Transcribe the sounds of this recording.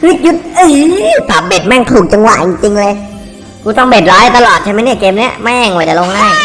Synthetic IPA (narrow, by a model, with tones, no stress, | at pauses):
wi˦˥k̚ju˦˥t̪̚ʔɯː˧˩saː˨˩p̚be˨˩t̪̚ma˥˩ŋt̪ʰuː˨˩k̚t͡ɕa˧ŋwa̰˨˩ʔt͡ɕi˧ŋt͡ɕi˧ŋlɤː˧j | kuː˧t̪ɔ˥˩ŋbeː˨˩t̪̚ɾɔː˦˥la˧˩t̪a˧lɔː˨˩t͡ɕʰaː˥˩m˦˥jniː˦˥˩keː˧mni˦˥ɐmaː˥˩˨ŋw̪ːɛː˨˩lo˧ŋlaː˥˩ŋ